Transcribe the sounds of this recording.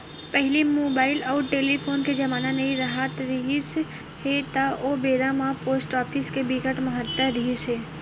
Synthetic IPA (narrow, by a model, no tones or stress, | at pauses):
pɛɦlimoːbaːɪlɔːʈeːlipʰoːnked͡ʒɐmaːnanɐiɾaɦət̪ɾiɦis | het̪aʔoːbeːɾamapoːsʈɔːpʰɪskebiɡəʈmɐɦət̪ːəɾiɦisɦeː